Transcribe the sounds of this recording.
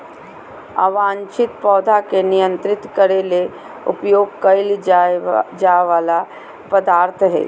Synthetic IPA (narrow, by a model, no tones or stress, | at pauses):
a̰ʋãːnt͡ʃɪt̪pɔːd̪ʱakenɪjə̃nt̪ɾɪt̪kəɾele | ʊ̰pjoːɡ̚kəɪl | d͡ʒaʋaːla | pəd̪aːɾt̪ʰəɦɛ̰ː